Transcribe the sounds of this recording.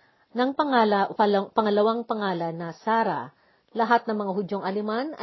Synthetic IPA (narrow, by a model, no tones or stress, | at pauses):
nɐŋpɐapɐŋɐlɐwaŋpɐŋaːlɐnːɐsaːɾɐ̰ | lɐɦat̪̚nɐŋmɐŋaɦʊd͡ʒoŋʔɐlɪmanʔɐ̰